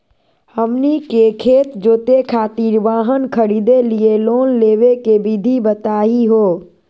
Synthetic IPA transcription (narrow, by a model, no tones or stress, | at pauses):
həmnikekʰeːt̪d͡ʒoːt̪ekʰaːt̪iɾʋaːɦənkʰəɾid̪elieloːnleːʋekebid̪ʱibət̪aːiɦoː